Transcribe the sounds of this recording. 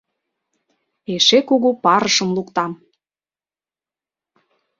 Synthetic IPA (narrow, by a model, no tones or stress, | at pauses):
eʃekuɣupɑɾəʃəmlukt̪ɑm